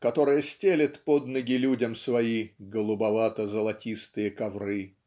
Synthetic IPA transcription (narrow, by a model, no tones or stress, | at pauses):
kɐt̪o̞ɾɨjəsʲtʲelʲɪt̪po̞d̪nəɡʲɪlʲudʲəmsvɐiɡəlˠʊbɐvat̪əzəlˠɐtʲist̪ɨjəkɐvrɨ